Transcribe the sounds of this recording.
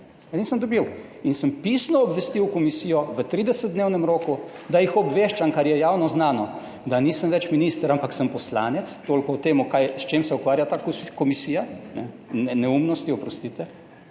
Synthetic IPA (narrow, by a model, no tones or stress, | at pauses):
aniːsəmd̪ɔbiwinsəmpisnɔːbʋɛst̪iwkɔmisiːjɔʋət̪ɾiːd̪ɛsəd̪̚d̪neːwnɛmɾoːku | d̪ajixɔbʋeʃt͡ʃamkaɾjɛjawnɔznaːnɔ | d̪aniːsəmʋɛt͡ʃminist̪ɾampaksəmpɔslaːnɛt̪st̪oːlkɔɔt̪eːmukajst͡ʃemsɛukʋaːɾjat̪aːkkɔmisijanɛ | ɛnɛumnɔst̪iɔpɾɔst̪it̪ɛ